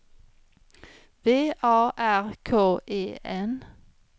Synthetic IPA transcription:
ʋeːʔɑːʔæʁkʰoːʔeːɛn

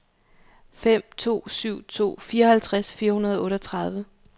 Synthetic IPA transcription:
fem̰t͡sʰo̝̰ːsyʊ̰t͡sʰo̝̰ːfiːɐɒ̽hælt͡sʰʁasfiːɐhunɐð̞ˠɒɔ̽ːɾɒt͡sʰʁɑð̞ˠʋə

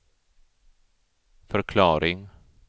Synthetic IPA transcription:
fœɾkʰlɑːɾɪŋ

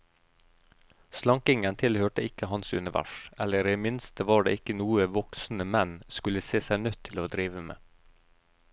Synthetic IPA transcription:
slɑŋkɪŋənt̪ʰɪlhøːʈəɪkəhɑnsʉ̰nɪʋʔæ̰ʃɛləɾiːmɪnst̪əʋɑːɖḛːɪkənuːəʋɔksn̩əmɛnskʉləseːsæɪnœt̪ʰɪloːd̪ɾiːʋəmḛː

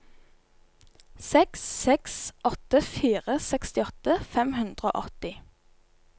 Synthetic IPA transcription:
sɛksːɛksʔɔt̪əfiːʁəsɛkst̪ɪɔt̪əfɛmhʉnd̪ʁəo̰ːʔɔt̪ɪ

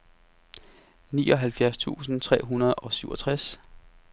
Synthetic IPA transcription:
nḭːʔɒ̽ɦælfjæɐst͡sʰṵːsn̩t͡sʰʁɛ̰ːɦunɐð̩ˠɒ̽syʊɒt͡sʰʁas

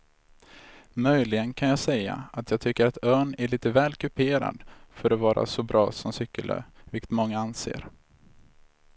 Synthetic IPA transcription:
mœjlɪɡənkʰanjɑːɡsɛjːa̰at̪ʰjɑːɡ̚t̪ʰʏkːəɾat̪œːɳæɭiːt̪əvɛːlkʰɵpʰeːɾa̰d̪fœɾɔvɑːɾʔa̰sɔbɾʔɑ̰ːsɔmsʏkːəlø̰ːvɪkə̥t̪mɔŋːaansḛːɾ

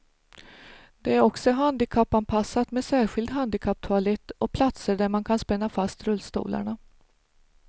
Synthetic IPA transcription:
d̪̥ɛæɾɔksɔɦand̪ɪkʰapːanpʰasːat̪mɛsæːɾɧɪld̪ɦand̪ɪkʰap̚ːt̪ʰʊalɛt̪ːɔk̚pʰlat̪səɖæɾmankʰanspɛnːafast̪ɾɵlːst̪ṵːlʔa̰ɳa

